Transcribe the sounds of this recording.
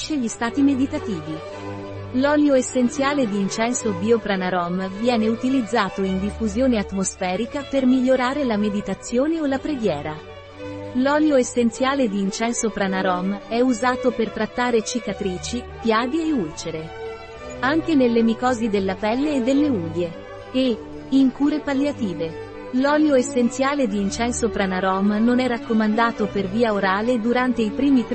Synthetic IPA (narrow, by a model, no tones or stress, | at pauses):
ʃeʎist̪aːt̪imed̪it̪at̪iːvi | lɔːljoesːent̪sjaːled̪iːnt͡ʃɛnsobiopɾanaɾɔmvjɛːneut̪ilid̪zːaːt̪oind̪ifːuzjoːneat̪ːmosfɛːɾikapermiʎːoɾaːɾelamed̪it̪at̪sːjoːneolapɾeɡjɛːɾa | lɔːljoesːent̪sjaːled̪iːnt͡ʃɛnsopɾanaɾɔmɛuzaːt̪opert̪ɾat̪ːaːɾet͡ʃikat̪ɾiːt͡ʃi | pjaːd̪ieult͡ʃeɾe | aŋk̟enelːemikɔːzid̪elːapɛlːeːd̪ːelːeuːlje | e | iŋkuːɾepaljat̪iːve | lɔːljoesːent̪sjaːled̪iːnt͡ʃɛnsopɾanaɾɔmnonɛrakːomand̪aːt̪operviːaoɾaːled̪uɾant̪eipɾiːmit̪